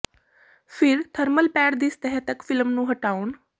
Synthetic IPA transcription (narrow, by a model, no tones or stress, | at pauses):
pʰɪɾt̪ʰəɾməlpɛːɽd̪ɪst̪əɦɛt̪əkfʰɪlmnũːɦəʈaːun